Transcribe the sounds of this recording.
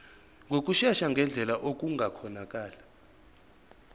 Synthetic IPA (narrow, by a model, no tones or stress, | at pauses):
ŋɡʱok̬ʼuʃaʃaŋɡʱɛnd͡ɮʱɛlaʔok̬ʼuŋɡʱakʰɔnak̬ʼaːla